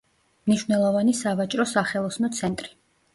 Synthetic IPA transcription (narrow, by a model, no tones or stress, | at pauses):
mniʃwvnɛlˠɔvanisavat͡ʃʼɾɔsaχɛlˠɔsnɔt̪sʰɛnt̪ʼɾi̥